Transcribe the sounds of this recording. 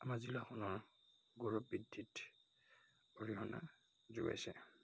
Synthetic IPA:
amazilaxɔnɔɹ | ɡuɹɔp̚bidʱːit | oɹiɦɔna̰ | zuɡa̰jsɛ

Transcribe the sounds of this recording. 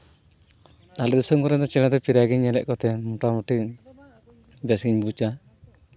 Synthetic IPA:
alɛd̪isɔmkɔɾɛd̪ɔt͡ʃɛlɛd̪ɔpiɾaɡiɲɛlɛʔkɔt̪ɛmuʈamuʈi | bɛsɡiɲbut͡ʃa

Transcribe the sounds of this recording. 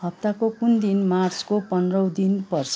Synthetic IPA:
ɦʌp̚t̪akokund̪inmart͡skopʌnrʌwd̪inpʌrt͡sʰ

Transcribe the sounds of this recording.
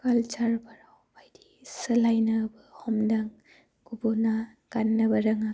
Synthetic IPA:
kalt͡ʃaɾbaɾawbajdi | sɯlajnabɯhɔmdaŋ | ɡ̥ubɔna | ɡ̥anːabaɾaŋa

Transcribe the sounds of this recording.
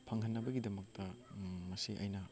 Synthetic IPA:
pʰɐŋhɐnːɐbɐɡidɐmɐk̚tɐmɐsiʔɐ̰jnɐ

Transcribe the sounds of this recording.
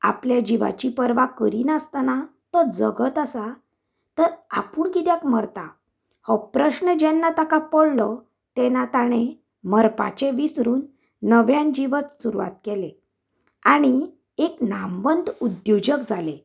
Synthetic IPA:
a̰pljad͡ʑiʋa̰t͡ɕipəɾʋakəɾiːnəst̪anat̪ɔd͡zəɡət̪əsa | t̪əɾa̰puːɳkit̪jakməɾt̪a | hɔpɾəɕnəd͡ʑɛnːat̪akapɔɽlɔ | t̪ɛnat̪aɽ̃e | məɾpa̰t͡ɕeʋisɾuːnː | əʋjãnd͡ʑiʋət͡ssuɾuʋa̰t̪kele | aɽ̃i | eknamʋənd̪ud̪jod͡ʑəkd͡zale

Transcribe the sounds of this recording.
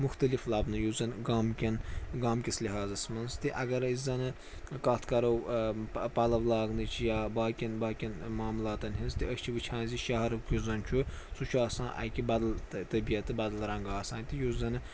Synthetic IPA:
muxt̪ɐliflɐbnɨjuzɐnɡaːmkʲɐnɡaːmkʲisliɦaːzɐsmɐnst̪iʔɐɡɐɾɐizɐnɨ | kɐt̪ʰkɐɾɐw | pɐlɐʋlˠɑːɡnɨt͡ʃʰijaːbaːkʲinbaːkʲinmaːmulaːt̪ɐnɦinst̪iɐʃt͡ʃʰiʋɨt͡ʃʰãːnziʃɐɦɐɾɐkjuzɐnt͡ʃʰusut͡ʃʰuaːsãːnʔa̰jkʲibɐd̪ɐlt̪ɐbijɐt̪ːɨbɐd̪ɐlɾɐŋɡaːsaːnʲt̪ijuzɐnɨ

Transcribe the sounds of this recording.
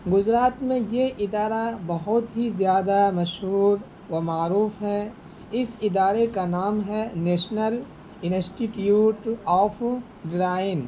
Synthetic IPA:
ɡʊd͡ʒɾaːt̪mẽjeʔɪd̪aːɾabɐɦʊt̪ɦizjaːd̪amɐʃɦuːɾ | ʋɐmaːɾuːfɦɛ | ɪsɪd̪aːɾekanaːmɦɛneːʃnəl | ɪnsʈiʈjuːʈɔːpʰ | ɖɾaːɪn

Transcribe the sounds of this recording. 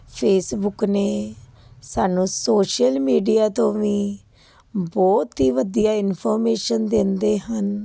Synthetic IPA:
pʰeːsbʊkneː | saːnũːsoːʃəlmiːɖijaːt̪õːʋĩː | bɔːt̪ɦiːʋəd̪ijaːɪnpʰɔːɾmeːʃənd̪ɪnd̪eːɦən

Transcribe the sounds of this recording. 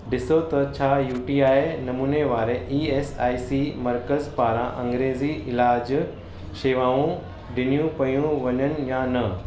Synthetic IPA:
ɖɪsot̪ɐt͡ɕʰaːjuːʈiːaːjnɐmuːneʋaːɾeʔiːeːsaːisimɐɾkəzpaːɾãʔɐ̃ŋɡɾeːziɪlaːd͡ʑ | ʃeːʋaːũ | ɖɪnijũpɐjũʋɐɲənɪ̆jãnɐ

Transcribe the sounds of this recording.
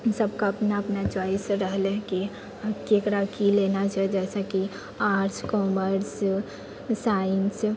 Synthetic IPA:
səb̚kaɐpnaɐpnat͡ʃaːɪsɾəɦlɛki | keːkɾakileːnat͡ʃaːed͡ʒɛːsaki | aːɾd͡ʒkɔːməɾs | saːɪns

